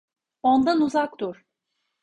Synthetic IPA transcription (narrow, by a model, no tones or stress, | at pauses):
ond̪anuzakt̪uɾ̥